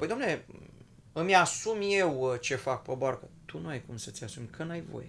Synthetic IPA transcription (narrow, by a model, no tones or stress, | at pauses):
pojd̪oamnele | ɨmʲjasumje̞wt͡ʃe̞fak̚pəbarkət̪ʰunuajkumsət̪ʲjasumʲkʰənajvo̞̰je